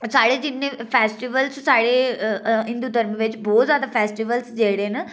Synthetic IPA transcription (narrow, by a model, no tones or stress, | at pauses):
saːɽeːd͡ʒɪnːeːpʰɛːsʈiʋəlssaːɽeːɦɪ̃nd̪uːd̪əɾmʋɪt͡ʃbɔːt̪zjaːd̪aːpʰɛːsʈiʋəlsd͡ʒeːɽeːnə